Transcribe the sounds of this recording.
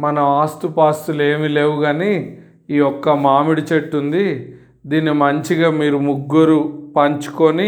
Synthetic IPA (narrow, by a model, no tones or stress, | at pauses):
mɐnɐaːst̪upaːst̪ule̞ːmile̞ːwuɡɐni | iːɔkːɐmaːmiɽit͡ʃeʈːund̪i | d̪iːnːimɐɲt͡ʃiɡaːmiːɾumuɡːuɾupɐɲt͡ʃu̥koni